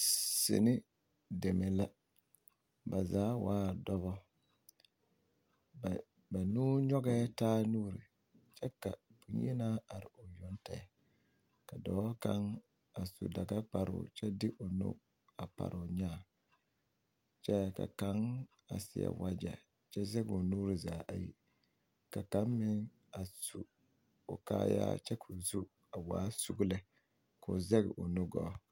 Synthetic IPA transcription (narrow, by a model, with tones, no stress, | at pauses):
sḛ˨nɪ˦ | de˨me˨la˦ | ba˨zaː˨˦waː˦˨dɔ˦βɔ˦˨ | ba˨nuː˦ɲɔ˦ɡɛː˦taː˦nu˦ɾi˨ | t͡ʃɛ˦ka˨pu˨ɲ˦e˦naː˦a˨ɾɪ˨ʊ˨jɔ˦nta˨ | ka˨dɔː˨˦ka˦ŋ | a˨sṵ˨da˨ɡa˦k͡pa˨ɾʊ̰˨t͡ʃɛ˦dɪ˦ʔo˨no̰˦ | a˨pa̰˨ɾʔʊ˨ɲaː˦˨ | t͡ʃɛ˦ka̰˨ka˦ŋ | a̰˨sɪ˨ja̰˨wa˦d͡ʒɛ̰˨ | t͡ʃɛ˦zɛ˦ɡo˨nuː˦ɾɨ˨zaː˨ʔa̰˨ji˦ | ka˨ka˨˦mmɪ˦ŋ | a˨su˨ | o˨kaː˦ja̰ː˦t͡ʃɛ˦kʰo˨zu˦ | a˨waː˨˦su˨˦ɡlɪ˦ | kʰo˨zɛ˦ɣɪ̰˨ʔo˨nʊ˦ɡɔ˦